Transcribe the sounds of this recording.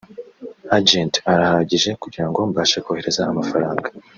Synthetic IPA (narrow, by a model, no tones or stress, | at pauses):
ad͡ʒentaɾahaɟiʒe̞kuɟiɾaŋɡo̞mbaːʃekohe̞ɾe̞zaamafaɾaːŋɡḁ